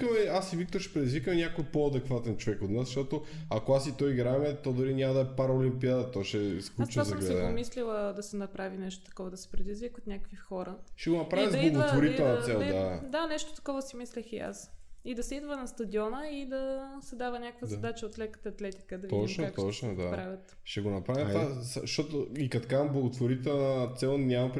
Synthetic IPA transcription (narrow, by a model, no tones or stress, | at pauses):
kəmɛasivik̚t̪oɾʃɛ̥pɾɛd̪izvikəmɛnʲakojpoɐd̪ɛkvat̪ɛnt͡ʃovɛkod̪nasʃt̪ɔt̪o | akoasit̪ɔjiɡɾamiət̪ːɔd̪ʊɾinʲamɐd̪ɐɛpaɾɐolimpiad̪ɐt̪ɔʃɛsklˠut͡ʃnazɐɡlsɛɛd̪apomislilˠəd̪ɐsɛnɐpɾavinɛʃt̪o̥t̪ɐ̥kɔvəd̪ɐsɛ̥pɾɛd̪izvikot̪nʲakəkvixɔɾəʃɛɡonɐpɾavjɛzblˠɐɡovoɾit̪ɛlˠnɐt̪sɛlˠd̪ad̪anɛʃt̪o̥t̪ɐ̥kɔvəsimislɛxia̰sid̪ɐsɛid̪vənɐst̪ɐd̪ʲiɔnəid̪ɐsɛd̪avənʲakəkvəzɐd̪at͡ʃəot̪lɛkə̥t̪əɐt̪lɛt̪i̥kəd̪ɐvɔt͡ʃnoat̪ɔt͡ʃnod̪apɾavʲɐt̪ | ʃɛɡonɐpɾavʲjɛt̪asʃɔt̪oikɐt̪kamblˠɐɡot̪voɾit̪ɛlˠnət̪sɛlˠnʲamɐpɾ